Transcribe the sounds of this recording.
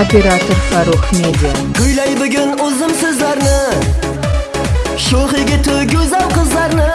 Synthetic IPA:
opʲeɾat̪oɾfɑɾoqʰmed̪ɪ | ɡʲʊjlɑjbɪɡʲɪnʊzəmsɪzlˠɑɾnə | ʃoχijɡʲet̪ʰʊɡʲɵzɑwqəzd̪ˠɑɾnə

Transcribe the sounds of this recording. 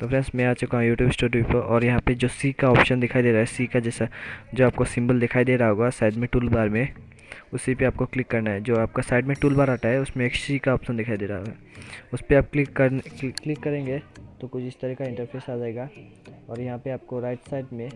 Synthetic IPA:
t̪ofɾɛ̃nsmɛ̃aːt͡ʃokãjuːʈjuːbɪsʈoːɾɖiʋipɐɔːɾjɐɦãped͡ʒoːsiːkaɔːpʃənd̪ɪkʰaːid̪eːɾaːɦɛsiːkad͡ʒɛːsad͡ʒoːaːp̚kosɪ̃mbəld̪ɪkʰaːid̪eːɾaɦoːɡasaːɪɖmẽʈuːlbaːɾmẽ | ʊsipeaːp̚koklɪkːɐɾnaɦɛd͡ʒoːaːp̚kasaːɪɖmẽʈuːlbaːɾaːʈaɦɛʊsmẽeːksikaɔːpʃənd̪ɪkʰaːid̪eːɾaɦoɡaːʊspeaːb̚klɪkːɐɾklɪkːɐɾẽːŋɡeːt̪okʊt͡ʃʰɪst̪ɐɾiːkaɪ̃ɳʈəɾpʰeːsaːd͡ʒaːeːɡaː | ɔːɾjɐɦãpeaːp̚koɾaːɪʈsaːɪʈmẽ

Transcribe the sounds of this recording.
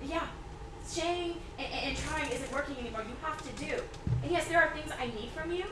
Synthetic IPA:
jæ | ʃeɪɪ̃ŋ | ɨ̃nʔɨ̃ɨ̃ntʰɹ̥aɪɪ̃ŋɪzɨt̚wɜ˞kɪ̃ŋɛnimɔɹjɨhæftɨdʉ | ɨ̃njɛsðə˞ːθɪ̃ŋza̰ɪnid̥fɹʌ̃mjʉ

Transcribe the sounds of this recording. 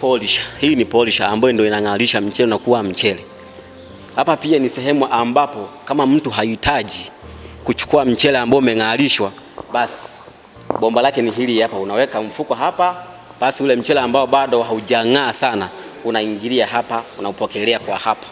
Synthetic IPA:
pɔliʃḁhiːnipɔliʃaːmbajɔndiɔinaŋaliʃam̩t͡ʃɛlɛnakuam̩t͡ʃɛlɛ | hapapianisɛɦɛmuʔambapɔkamam̩tuɦaitʰad͡ʒi | kut͡ʃu̥kuam̩t͡ʃɛlɛambaɔmɛŋaliʃwa | ɓasi̥ | ɓɔmbalakɛniɦiliapaunawɛkaɱ̩fukɔɦapa | basiulɛm̩t͡ʃɛlɛambaɔɓaɗɔɦaud͡ʒaŋaːsana | unaiŋɡiliahapaunaupɔkɛlɛakwahapḁ

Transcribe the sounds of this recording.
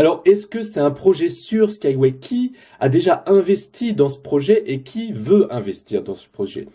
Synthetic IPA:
alɔʁɛskəsɛt̪ɛ̃pχɔʒɛsyʁskajwɛkʲʰi | ad̪eʒaɛ̃vɛst̪ʰid̪ɑ̃sə̥pχɔʒɛʔekʲʰivøɛ̃vɛst̪iʁd̪ɑ̃sə̥pχɔʒɛ̰

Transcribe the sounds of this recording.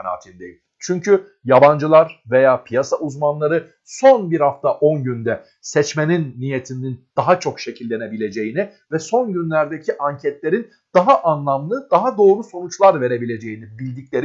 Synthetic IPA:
na̰ːt̪ʰind̪ejim | t͡ʃʰyɲcʰy | jaband͡ʒɯlˠaɾve̞jaːpʰijasaʔuzmanlˠaɾɯ | so̞nbiɾhaft̪ʰaʔo̞nɟynd̪ɛ | sɛt͡ʃme̞ninːijet̪ʰiminind̪̥aɦat͡ʃʰo̞kʃe̞cʰilʲːe̞ne̞bilʲe̞d͡ʒe̞jini | vɛso̞nɟynlʲæɾd̪ecʰiʔaɲcʰɛt̪lʲe̞ɾin | d̪̥aɦaʔanlˠamlˠɯd̪̥aɦad̪o̞ːɾuso̞nut͡ʃlˠaɾve̞ɾe̞bilʲe̞d͡ʒe̞jinibilʲd̪iclʲe̞ɾi

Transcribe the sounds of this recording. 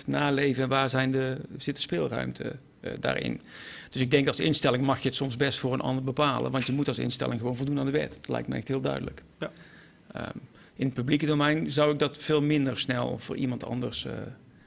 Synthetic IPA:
naːlejvənɛnʋaːɹzɛjndəz̥ɪtə̥spɪːlˠrœ̰ɥmtʰə̰ | da̰ːɹʔɪ̰nd̥ɵsɪɡ̚dɛŋk̚ɑlˠsɪ̰nstɛlɪŋmɑxjəətsɔmzbɛstfʊːɹənʔɑ̰ndəɹbəpaːlə̰nʋɑntjəmutɑlˠsɪ̰nstɛ̰lɪŋχəʋownvolˠdunaːndəʋɛ̰tdtlɛ̰jktmə̰ɛ̰xtɦɪːlˠdœ̰ɥdə̰lə̰k | ə̰ | ɪnət̚pyblikədowmɛjnzʌwɪɡ̚dɑtfeːlˠmɪndəɹsnɛlˠvʊ̰ːɹʔimɑntɑ̰ndə̰ɹs

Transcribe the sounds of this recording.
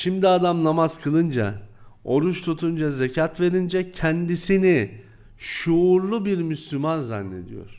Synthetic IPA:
ʃimd̪iad̪amnamaz̥kʰɯlˠɯnd͡ʒa̰o̞ɾut͡ʃt̪ʰut̪ʰund͡ʒazecʰat̪ve̞ɾind͡ʒɛcʰɛnd̪isini | ʃuːɾlˠubiɾmyslʲymanza̰nːe̞̰d̪ijo̞̰ɾ̥

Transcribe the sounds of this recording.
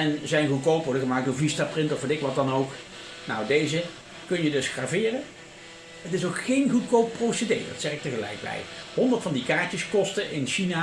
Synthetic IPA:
ɛnzɛjnɣutkowpʋɔɹdəχəmaːk̚doːɹvistaːprɪntɔfʋɑdɪkʋɑt̚dɑnowk | nawdejzə | kɵnjədɵsχraːvɪːrə | ətɪsowkχejnɣut̚kowpːrowsədḛjdɑ̰tsɛχɪk̚təχəlɛ̰jk̚bɛ̰jhɔndəɹtfɑndikaːɹtəskɔstəʔɪnʃina

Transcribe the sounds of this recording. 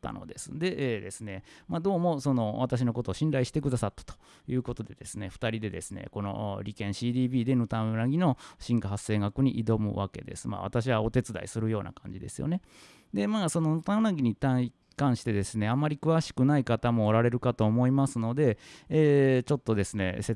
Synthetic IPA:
t̪ːa̰no̞̰d̪e̞sɨ̥d̪e̞ʔːd̪e̞sɨne̞maːd̪o̞ːmo̞so̞no̞βat̪aɕ̬ino̞ko̞t̪o̞ːɕĩnɾaiɕi̥t̪e̞kɯ̟d̪asat̪ːḁt̪o̥ | jɯ̟ːko̞t̪o̞d̪e̞d̪e̞sɨne̞ɸɯ̟̥t̪aɾʲid̪e̞d̪e̞sɨnḛko̞no̞̰ɾʲikẽ̞ɰ̃ɕiːd̪iːbʲiːd̪e̞nɯ̟t̪ãnaɡʲino̞ɕĩŋkaɦasːe̞ːɡakɯ̟ɲ̟iʔid̪o̞mɯ̟̰βa̰ke̞̰d̪e̞̰sɨ̥ma̰ːβa̰t̪aɕ̬iβao̞t̪e̞t͡sɨd̪a̰ḭsɨɾɯ̟jo̞ːna̰kãɲ̟d͡ʑid̪e̞̰sɨjo̞̰ne̞ | d̪e̞maːso̞no̞nɯt̪ãɯ̃naɡʲiɲ̟it̪ãi | kãɰ̃ɕi̥t̪e̞d̪e̞sɨne̞amːaɾʲikɯ̟βaɕi̥kɯ̟naikat̪amo̞ːɾaɾe̞ɾɯ̟kat̪o̞ːmo̞imasɨno̞d̪e̞ː | t͡ɕo̞t̪ːo̞d̪e̞sɨne̞̰se

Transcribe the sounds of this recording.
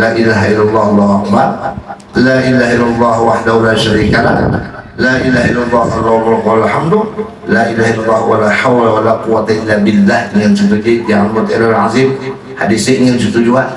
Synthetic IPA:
laːʔilaːɦailːalˤːɑːhlˤːɑhakba | laːʔilaːɦailːalˤːɑːɦwaħdahulaːʃaɾiːkala̰h | laːʔilaːɦailːalˤːɑːhfalarɾkalalħamd̪ʊ | laːʔilaːɦailːalˤːɑhwalaːħawlawalaːquwat̪aʔɪlːabɪlːahdəŋant͡ʃut̪udijaʕalmʊt̪a̰lalʕazim | hadisɪʔŋant͡ʃut̪ud͡ʒuan

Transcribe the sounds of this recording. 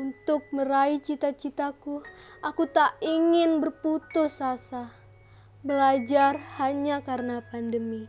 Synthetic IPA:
unt̪ʊk̚məɾait͡ʃit̪at͡ʃit̪aku | ʔakut̪aʔiŋɪnbərput̪ʊsasa | bəlad͡ʒarhaɲakaɾənapandəmi

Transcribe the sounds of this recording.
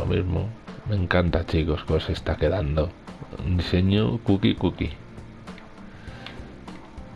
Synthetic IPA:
o̰mḭzmo̰mẽ̞ŋkant̪at͡ʃikoskosest̪akeðand̪od̪ise̞ɲokukikukḭ

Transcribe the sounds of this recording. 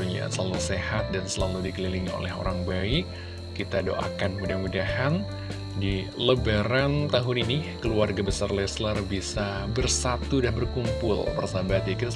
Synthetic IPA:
uɲa̰səlalusehat̪̚dansəlaludikəlilɪŋo̰lɛɦo̰ɾaŋbaɪkː | it̪ado̰ʔa̰kanmudahmudahan | diləbaɾant̪aɦʊninikəluarɡabəsarlɛslərbisa | bərsat̪udahbərkumpʊ̰lpərsabat̪jakit̪

